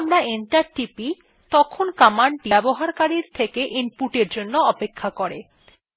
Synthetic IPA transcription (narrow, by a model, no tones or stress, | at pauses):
mɾaenʈaɾʈipi | t̪ɔkʰonkamaɳʈiboɦaɾkaɾiɾt̪ʰekeʔimpuʈeɾd͡ʑonːoɔpekʰːakoɾe